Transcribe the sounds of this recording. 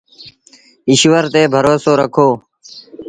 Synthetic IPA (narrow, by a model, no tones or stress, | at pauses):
ɪʃʋəɾt̪eːbʱəɾoːsoːɾəkʰoː